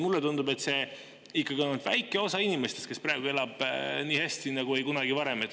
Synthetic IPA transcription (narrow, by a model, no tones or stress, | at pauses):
mulːet̪und̪ube̞t̪se̞ | ikːˑɑɡionud̪̥væ̰jkːˑe̞o̞sɑinime̞st̪est̪kespræeɡ̥ue̞lɑb̥niːhæsʲt̪inɑɡ̥ue̞jkunɑɡivɑɾe̞met̪ː